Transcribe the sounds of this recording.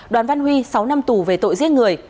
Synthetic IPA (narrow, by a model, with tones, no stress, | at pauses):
ɗwaː˨˩nva˧nhwi˧sa˨˦wna˧mt̪u˧˩ve˨˩t̪o̰˧˨jzi˦˥t̚ŋɨ˨˩əj